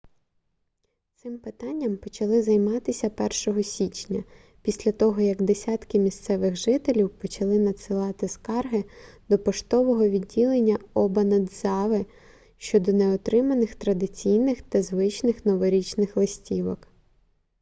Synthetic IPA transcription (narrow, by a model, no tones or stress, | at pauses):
t̪sɪmpɪt̪ɑnʲːɐmpɔt͡ʃɐlˠɪzɐjmɑt̪ɪsʲɐpɛrʃɔɦɔsʲit͡ʃnʲɐ | pʲisʲlʲɐt̪ɔɦɔjɐɡd̪esʲɑt̪kɪmʲist̪sɛʋɪɣʒɪt̪elʲiwpɔt͡ʃɐlˠɪnɐd̪sɪlˠɑt̪ɪskɑrɦɪd̪ɔpɔʃt̪ɔʋɔɦɔʋʲidʲːilˠenʲːɐɔbɐnɐd̪zɑʋɪ | ʃt͡ʃɔd̪ɔneɔt̪ɾɪmɐnɪxt̪ɾɐd̪ɪt͡sʲijnɪxt̪ɐzʋɪt͡ʃnɪxnɔʋɔɾʲit͡ʃnɪxlˠɪsʲtʲiʋɔk